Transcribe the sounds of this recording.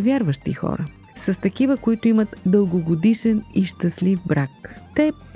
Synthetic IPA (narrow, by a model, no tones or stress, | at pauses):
vʲjaɾvəʃt̪ḭxɔ̰ɾə | sɐst̪ɐkivəkoit̪oimət̪d̪əlˠɡoɡod̪iʃɛniʃt̪ɐslifbɾakt̪ɛp